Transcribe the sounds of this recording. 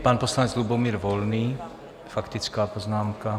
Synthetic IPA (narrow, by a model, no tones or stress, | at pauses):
paːnpɔslaɲɛd͡zlubɔmiːɾʋɔlniː | fakt̪it͡skaːpɔznaːmka